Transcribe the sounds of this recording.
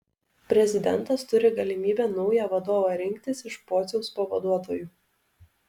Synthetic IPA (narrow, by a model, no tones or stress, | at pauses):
pʲɾʲɛzʲɪd̪ʲɛnˑt̪ɐst̪ʊɾʲɪɡɐlʲɪmʲiːbʲɛːnɒʊjæːʋɐd̪oːʋɑɾʲɪŋʲkt̪ʲɪsɪʃpoːt̪sʲɛʊspɐʋɐd̪uɔt̪oːjuː